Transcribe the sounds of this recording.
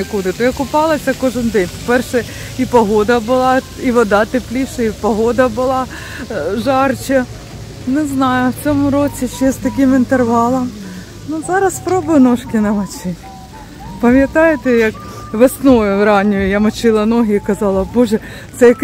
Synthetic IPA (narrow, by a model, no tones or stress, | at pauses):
ɪkud̪ɪt̪ɔjɐkʊpɑlˠɐsʲɐkɔʒɪnd̪ɛnʲpɔpɛrʃɛ | ipɔɦɔd̪ɐbʊlˠɑ | iʋɔd̪ɑt̪ɪplʲiʃɐipɔɦɔd̪ɐbʊlˠɑ | ʒɑrt͡ʃɐ | nɛznɑjʊwt͡sʲɔmʊɾɔt͡sʲiʃɛst̪ɐkʲimɪnt̪erʋɑlˠɐm | nʊzɑɾɐspɾɔbʊjʊnɔʃkʲɪnɐmɐt͡ʃɪ | pɐmʲjɐt̪ɑjet̪ɛjɐk | ʋesnɔʋʊʋɾɑnʲʊjʊjamɐt͡ʃɪlˠɐnɔɦɪikɐzɑlˠɐbɔʒɛ | t̪sɛjɐk